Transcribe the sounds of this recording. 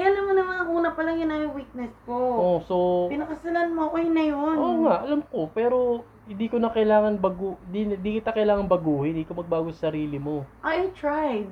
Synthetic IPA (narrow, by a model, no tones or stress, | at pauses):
kɐjanɐmɐnɐmɐŋɐɡuːnɐpɐlɐŋjʊnajowiːk̚nɛskoʔoso̞pɪnɐkɐsɐlanmoʔojnɐjonoːŋaʔɐlɐmko̞pɛːɾo̞ | hɪnd̪iːkonɐkɐjlaːŋɐnbɐɡund̪inɪnd̪iːkɪt̪ɐkɐjlaːŋɐnbɐɡuːhɪnɪnd̪iːkomɐɡ̚baːɡosɐsɐɾiːlɪmo̞ʔaʔajt̪ɹajd̪̚